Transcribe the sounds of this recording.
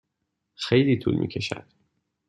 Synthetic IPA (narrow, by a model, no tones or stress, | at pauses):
xejliːt̪ʰṵːlmʔḭːcʰe̞ʃæ̰d̪̥